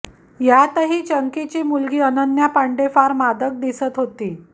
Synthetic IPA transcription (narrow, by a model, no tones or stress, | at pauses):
jat̪əɦiːt͡ɕəŋkit͡ɕiːmulɡiːənənjapaɳɖefaɾmad̪ək̚d̪isət̪ɦot̪iː